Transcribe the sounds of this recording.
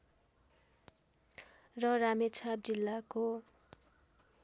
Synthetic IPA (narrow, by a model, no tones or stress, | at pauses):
rʌramet͡sʰab̚d͡zilːako